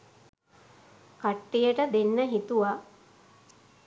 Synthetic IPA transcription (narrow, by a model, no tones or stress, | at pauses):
kaʈːijəʈəd̪enːəɦit̪uʋa